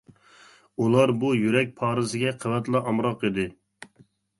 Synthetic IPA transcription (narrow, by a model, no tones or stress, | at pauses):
ulˠɑɾbujyɾɛk̚ʲpʰɑːɾɨsɪɡʲɛqʰəwɛt̪lˠɑʔɑmɾɑqid̪ɪ